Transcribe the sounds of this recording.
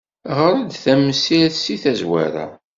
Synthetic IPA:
ʁəɾˤæd̪θæmːəsilθsiθæzwæ̰ɾæ̰

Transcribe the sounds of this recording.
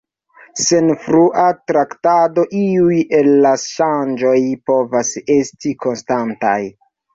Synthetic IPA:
se̞nfɾuʔatɾaktado̞ʔiujelːaʃand͡ʒo̞jpo̞vase̞stiko̞nstanta̰j

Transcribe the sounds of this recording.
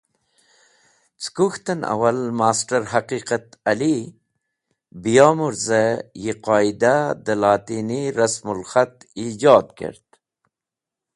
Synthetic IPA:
t͡skuxt̪əna̰wɐlmaːsʈəɾɦaqiːqat̪ɐli | bijɑːmuɾzəjiqɑːid̪ad̪əlɑːt̪iːniɾɐsmulxat̪id͡ʒɑːd̪̚kḛɾt̪

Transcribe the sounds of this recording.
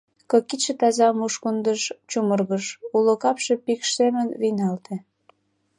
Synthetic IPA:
kɤkiʃĕt̪ɑzɑmuʃkund̪əʃt͡ɕumərɣəʃulokɑpʃepikʃsemənβinɑlt̪ʰĕ

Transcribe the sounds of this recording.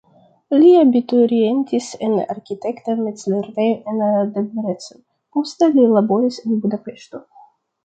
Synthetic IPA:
lʲiabit̪uɾienʲt̪ʲisena̰ɾkʲit̪ekt̪amesleɾvejʔenad̪ebɾet͡so | post̪elilabo̞ɾisenbud̪apeʃt̪o

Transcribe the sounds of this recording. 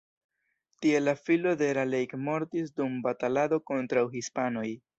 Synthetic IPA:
tie̞lafilo̞de̞ɾalejkmo̞ɾtis̬dumbatalado̞ko̞ntɾawɦispano̞j

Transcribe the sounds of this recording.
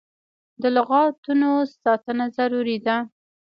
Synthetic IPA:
d̪əlʊɣɑt̪unosɑt̪ənazaɾuɾid̪a

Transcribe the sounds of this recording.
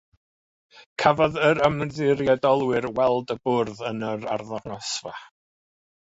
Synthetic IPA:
kʰavɔðəɾəmðɪɾjɛdɔlˠwɪrwɛlˠdəbʊrðənəɾa̰rðɔnɔsva̰

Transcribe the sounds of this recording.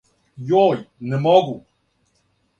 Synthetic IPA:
jɔjnɛmɔɡu

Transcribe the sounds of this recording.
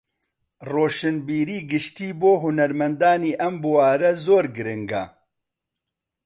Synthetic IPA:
roːʃɨnbiːɾiːɡɨʃt̪iːboːɦʊnɐɾmɐnd̪aːniːʔɐmbuwaːɾɛzoːɾɡɨɾɨŋɡɐ̰

